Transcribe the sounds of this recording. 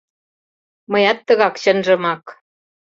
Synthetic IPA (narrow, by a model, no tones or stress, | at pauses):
məjɑt̪ːə̆ɣɑkɕənʒə̆mɑk